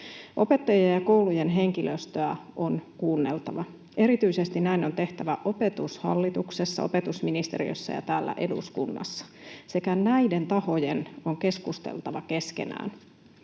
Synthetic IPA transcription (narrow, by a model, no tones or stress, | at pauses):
ʔo̞pe̞t̪ːɑjejjɑko̞uluje̞nɦe̞ŋkilʔøst̪øæʔo̞nkuːnːe̞lt̪ɑʋɑ | e̞ɾit̪yise̞st̪innæino̞nt̪e̞ht̪æʋæʔo̞pe̞t̪ushɑ̰lːit̪ukse̞sːɑ̰o̞̰pe̞t̪usminist̪e̞̰rḭø̰sːɑ̰jɑ̰t̪æːlːæ̰ʔe̞dṵskunːɑ̰sːɑ̥se̞kænæide̞nt̪ɑho̞je̞no̞ŋke̞skust̪ḛlt̪ɑʋɑke̞ske̞̰næ̰ːn